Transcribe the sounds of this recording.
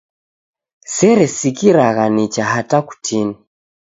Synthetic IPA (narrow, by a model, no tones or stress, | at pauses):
sɛɾɛsikiɾaɣanit͡ʃaɦataku̥tʰini